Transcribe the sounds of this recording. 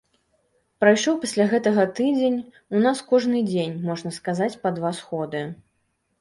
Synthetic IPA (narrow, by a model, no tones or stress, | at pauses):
pɾajʂɔwpasʲlʲaɣɛt̪ɐɣɐt̪ɨd͡zʲenʲ | unaskɔʐnɨd͡zʲenʲmɔʐnɐskazat͡sʲpɐd̪vasxɔd̪ɨ